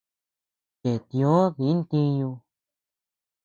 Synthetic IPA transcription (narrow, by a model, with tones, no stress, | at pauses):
ke˨t̪ĩ˧õ˦ði˨˦nt̪ĩ˦˧ɲũ˧